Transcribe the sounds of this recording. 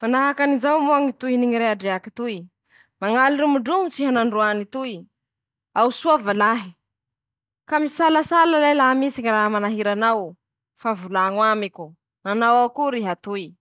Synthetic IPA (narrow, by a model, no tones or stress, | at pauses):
manaɦakanizawmuaŋit̪uiniŋiɾeaɖ͡ʐeaki̥t̪ui | maŋaliɾumuɖ͡ʐumut͡siɦanaɳɖ͡ʐuanit̪ui | awsuavalaɦi | kamisalasalalajlaɦamisiŋiraɦamanaɦiɾanaw | favulaŋwamikʲu | anawakuɾiɦat̪ui